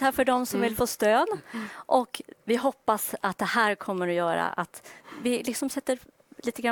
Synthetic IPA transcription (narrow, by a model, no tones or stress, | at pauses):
afœɖɔmsɔmvɪlfoːst̪øːd̪ʔɔkvɪɦɔpːasat̪̚d̪ɛhæːɾkʰɔmːəɾɔjœːɾa̰ʔa̰t̪vɪlɪksɔmsɛt̪ːəɾ | liːt̪əɡɾa